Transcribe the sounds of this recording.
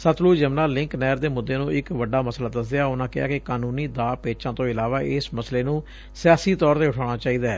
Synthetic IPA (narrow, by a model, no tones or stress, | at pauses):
sət̪ʰluːd͡ʒəmnãːlɪŋknɛːɾd̪eːmʊd̪ːeːnũːɪkʋəɖːaːməslaːd̪əsd̪ejaːʊnãːkɪa̰ːkɪkaːnuːniːd̪aːpeːt͡ʃãːt̪õːɪlaːʋaːʔɪsməsleːnũː | sɪjaːsiːt̪ɔːɾt̪eːʊʈʰaːɽ̃aːt͡ʃaːiːd̪aːɛː